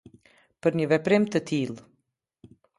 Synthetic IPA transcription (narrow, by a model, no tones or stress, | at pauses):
pəɾɲəvɛpɾimt̪ət̪ʰilˠ